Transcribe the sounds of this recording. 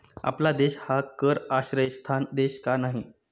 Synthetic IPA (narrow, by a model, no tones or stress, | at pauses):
a̰plad̪eɕhakəɾaɕɾəjst̪ʰand̪eɕkanaɦi